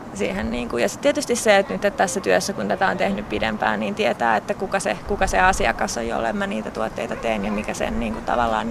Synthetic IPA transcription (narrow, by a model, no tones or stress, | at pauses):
siːhenniːŋkujɑsi̥t̪t̪iet̪yst̪isseet̪nyt̪ːet̪t̪æsːæt̪yøsːækunt̪æt̪æont̪ehnyppidḛmpæ̰ːniːnt̪iɛt̪æːet̪ːækukɑsekukɑseɑsiɑ̰kɑso̰jo̰lːɑ̰emmæniːt̪æt̪uot̪ːeit̪ɑt̪einjɑmikæsḛnniːŋkut̪ɑ̰ʋɑ̰lːɑ̰ːn